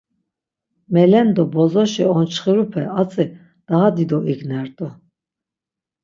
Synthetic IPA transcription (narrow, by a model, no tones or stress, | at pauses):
mɛlɛnd̪ɔbɔzɔʃiɔnt͡ʃʰχiɾupʰɛat͡sʼi | d̪̥aɦad̪id̪ɔʔiɡnɛɾt̪ʼɔ